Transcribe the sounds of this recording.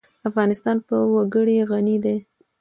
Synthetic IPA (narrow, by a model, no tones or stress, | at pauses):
afɣɑnɪst̪ɑnpəwaɡəɽeɣanid̪e